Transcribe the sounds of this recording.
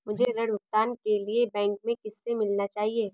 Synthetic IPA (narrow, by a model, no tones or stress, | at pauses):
mʊd͡ʒʱeɾɐɽʊk̚t̪aːnkeliebɛ̃ːŋkmẽkɪsːemɪlnat͡ʃaːɦieː